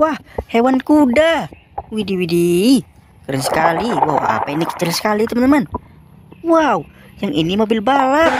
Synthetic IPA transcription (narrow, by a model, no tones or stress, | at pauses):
wahhewankuda | widiwide | kəɾənsə̥kaliwa̰w̰a̰painikə̥t͡ʃulsə̥kalit̪umənəman | wau | jaŋinimobɪlbala